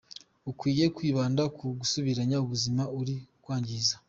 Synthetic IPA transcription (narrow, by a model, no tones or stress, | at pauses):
ukwiːje̞kwiːβaːndakʰuɡusuβiɾaɲauβuzimauɾikwaːɲɟiza